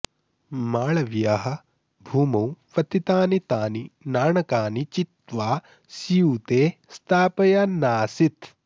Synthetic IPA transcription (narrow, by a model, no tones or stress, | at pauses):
maːɭɐʋjaːɦɐ̆ | bʱuːmɐwʋɐt̪it̪aːnit̪aːninaːɳɐkaːnit͡ʃit̪ʋaː | sijut̪eːst̪ʰaːpɐjanaːsit̪